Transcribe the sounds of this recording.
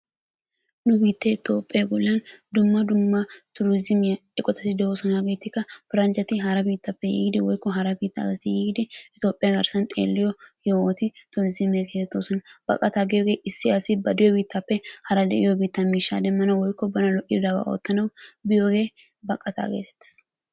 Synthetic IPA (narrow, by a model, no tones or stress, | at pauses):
nʊbiːt̪ːeːɪt̪o̞ːpʼːɐɡʊlːɐnd̪ʊmːɐd̪ʊmːɐt̪ʊɾɪzɪmɪjɐɛkʼɔt̪ɐt̪ːɪd̪ɛosɔnaɡeːt̪ːɪkːɐfɪɾɐnt͡ʃɐt̪ɪɦɐɾɐbiːt̪ːɐpːɛjḭːɡd̪ɪwɔjkːɔɦɐɾɐbiːt̪ːa̰ɡɐsɪjiːɡd̪ɪɪt̪o̞ːpʼːɪjɐɡɐɾsɐnt̪ʼḛːlːɪjɔjoɔt̪ɪt̪ʊɾɪzɪmɐɡet̪ːoːsɔnɐbɐ̰kʼɐt̪aːɡɪjɔɡe̞ːʔɪsːɪɐsɪbɐd̪ɪjɔbiːt̪ːɐpːɛhɐɾɐd̪ɛʔɪjɔbiːt̪ːɐmiːʃːa̰ːd̪ɛmːɐnɐwwɔjkːɔbɐnɐlɔʔɪd̪ɐba̰ːʔo̰ːt̪ːɐnɐwbɪjoɡe̞ː | bɐkʼːɐt̪a̰ːɡḛːt̪ɛ̥t̪ːɪ̥s